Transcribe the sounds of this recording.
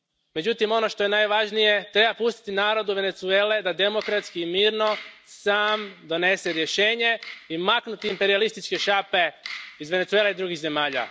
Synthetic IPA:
me̞d͡ʑut̪imo̞no̞ʃt̪o̞je̞najʋaʒnije̞t̪ɾe̞bapust̪i̥t̪inaːɾo̞d̪uʋe̞net̪sue̞ːle̞d̪ad̪e̞mo̞kɾat̪skiːmiːɾno̞saːmd̪o̞ne̞seɾje̞ʃe̞ːɲe̞imaknut̪iːmpe̞ɾialist̪it͡ʃke̞ʃape̞izʋe̞ne̞t̪sueːleid̪ɾuɡiɣze̞maːʎa̰

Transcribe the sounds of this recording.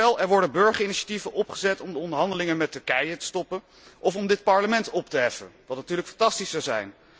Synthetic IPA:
ɛlˠɛɹʋɔɹdəbɵɹχəɹɪniʃḁtivənʔɔpχəzɛtɔmdəɔndəɹɦɑndəlɪŋənmɛtɵɹkɛjətə̥stɔpən | ʔɔfɔmdɪt̚pɑɹləmɛntɔptəɦɛfə̰nʋɑtnatyːɹləkfɑntɑstisɑwzɛ̰jn

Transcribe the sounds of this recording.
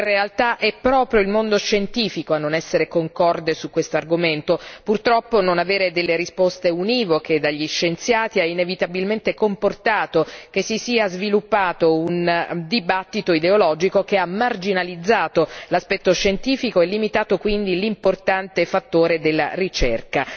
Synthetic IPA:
realt̪aʔɛpːɾɔːpɾjoilmond̪oʃent̪iːfikoanːonɛsːeɾekoŋkɔrd̪esukːwest̪oarɡoment̪opurt̪ɾɔpːononaveːɾed̪elːeɾispost̪euniːvoked̪aʎːiʃːent̪sjaːt̪iainevit̪abilment̪ekomport̪aːt̪okesːisiːazvilupːaːt̪ound̪ibat̪ːit̪oid̪eolɔːd͡ʒikok̟eamːard͡ʒinalid̪zːaːt̪olaspɛt̪ːoʃent̪iːfikoɛlːimit̪aːt̪okwind̪ilimport̪ant̪efat̪ːoːɾed̪elːa̰rit͡ʃɛ̰rka

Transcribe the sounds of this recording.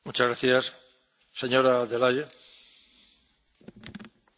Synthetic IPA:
mut͡ʃazɣɾaθjasː | eɲoɾaðelaʎe

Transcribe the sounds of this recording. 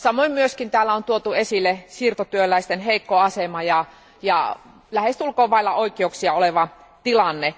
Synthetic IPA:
sɑmoimmyøskint̪æːlːæont̪uot̪uesilːesiːrt̪ot̪yølæist̪enheikːoɑsemɑjɑ | jɑ̰ | læhest̪ulkoːʋɑilːɑoikːˑeouksiɑoleʋɑ | t̪ilɑnːe

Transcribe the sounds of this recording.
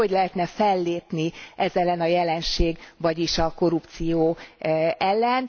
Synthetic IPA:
o̞ɟlɛɦɛt̪nɛfɛlːeːpniʔɛzɛlːɛnɒjɛlɛnʃeːɡvɒɟiʃɒko̞ɾupt̪sijoː | ɛlːɛn

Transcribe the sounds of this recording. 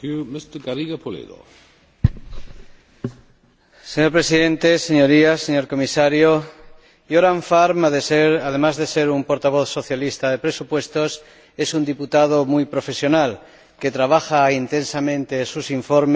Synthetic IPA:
umɪst̪əɡaɾiɡapʰolḛdo̰ | seɲo̞ɾpɾe̞siðẽ̞nt̪e̞se̞ɲo̞ɾiase̞ɲo̞ɾko̞misaɾjo | joɾaɱfaɾmaðe̞seɾað̞e̞mazðe̞se̞ɾumpo̞ɾt̪aβ̞o̞θso̞θjalist̪að̞e̞pɾe̞supwe̞st̪o̞s | e̞sund̪iput̪að̞o̞mujpɾo̞fe̞sjo̞nal | ke̞t̪ɾaβ̞axaint̪e̞nsamẽ̞nt̪e̞ːsusiɱfo̞ɾm

